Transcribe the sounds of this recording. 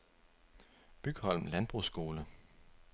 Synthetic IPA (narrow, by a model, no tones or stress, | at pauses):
b̥yɡ̥hɒ̽l̰mlænb̥ʁusɡ̥o̝ːlə